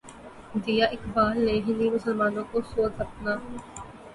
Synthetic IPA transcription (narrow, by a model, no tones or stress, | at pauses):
d̪ijaːʔɪkbaːlːeːɦɪnimʊsəlmaːnõkosoːt̪ɐp̚naː